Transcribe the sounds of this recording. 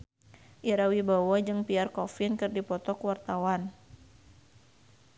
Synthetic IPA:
ʔiɾawibawad͡ʒɨŋpiarkɔfinkɨrdipɔt̪ɔkwart̪awan

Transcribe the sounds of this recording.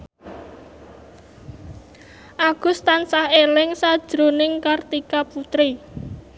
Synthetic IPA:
ʔaɡ̥ʊ̤st̪ansahelɪŋsad̥ʒ̥ɾonɪŋkart̪ikaput̪ɾi

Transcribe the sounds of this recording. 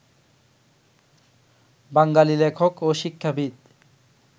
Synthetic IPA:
baŋɡalilekʰokoʃikʰːabʱit̪

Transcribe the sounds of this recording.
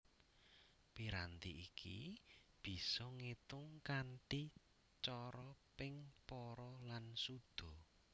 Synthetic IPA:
piɾant̪iʔikʰḭb̥i̤sɔŋet̪ʊŋkanʈi | t͡ʃɔɾɔpɪŋpɔɾɔlansud̪̥ɔ̤

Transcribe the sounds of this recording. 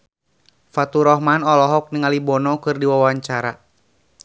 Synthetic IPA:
fat̪uɾɔɦmanɔlɔɦɔk̚niŋalibɔnɔkɨrdiwawaɲt͡ʃaɾa

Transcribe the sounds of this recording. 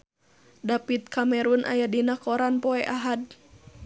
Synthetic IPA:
dapit̪̚kʰamɛɾunʔa̰jadinakɔɾanpɔɛʔaɦad̚

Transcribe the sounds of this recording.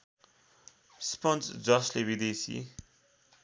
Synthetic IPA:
spʌnsd͡zʌslebid̪esḭ

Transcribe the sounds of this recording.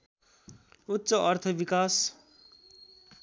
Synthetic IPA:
utːsʌʔʌrt̪ʰʌbikas

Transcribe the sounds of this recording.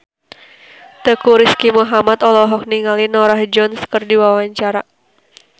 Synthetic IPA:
t̪əkuɾiskimuɦamat̪ɔlɔɦɔk̚niŋalinɔɾahd͡ʒɔnskərdiwawaɲt͡ʃaɾa

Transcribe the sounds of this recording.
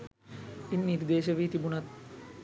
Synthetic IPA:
inːiɾd̪eːʃəʋiːt̪ibunat̪̚

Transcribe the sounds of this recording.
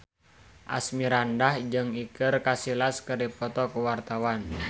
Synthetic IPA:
ʔa̰smiɾandahd͡ʒɨŋikərkasilaskəripɔt̪ɔkuwart̪awan

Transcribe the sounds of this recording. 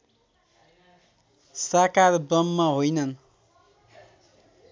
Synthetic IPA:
sakarbʌmːʌɦojnʌn

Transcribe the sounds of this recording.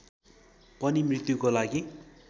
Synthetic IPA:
pʌnimrit̪jukolaɡi

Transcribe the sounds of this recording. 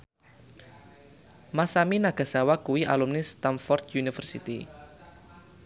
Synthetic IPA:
masaminaɡ̥a̤sawakuwiʔa̰lumnist̪amfɔrt̪junifərsit̪ḭ

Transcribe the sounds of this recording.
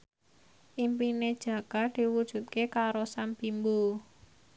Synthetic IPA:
ʔimpined̥ʒ̥ä̤kad̪̥i̤wud̥ʒ̥ṳt̪̚kekaɾosampimbu

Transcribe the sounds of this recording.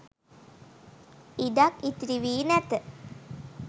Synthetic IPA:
idakit̪ɾiʋiːnæt̪ə

